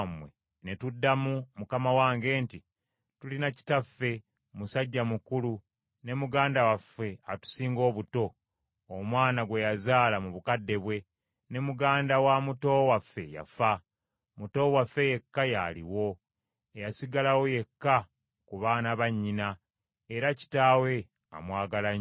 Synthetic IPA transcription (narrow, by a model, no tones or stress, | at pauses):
mwe̞̰ | ne̞tudːamumukamawaːŋɡe̞ːnti | tulinaci̥tafːe̞ | musaɟːamukulu | ne̞muɡaːndawafːe̞atu̥siːŋɡo̞ːβuto̞ː | mwaːnaɡwe̞jazaːlamuβukadːe̞βwe̞ | ne̞muɡaːndawamuto̞wafːe̞̰ja̰fa | muto̞wafːe̞je̞kːajalḭwo̞ | ejasiɡalawo̞je̞kːa | kuβaːnaβaɲːina | eɾaci̥taːwe̞ | a̰mwaːɡalaɲ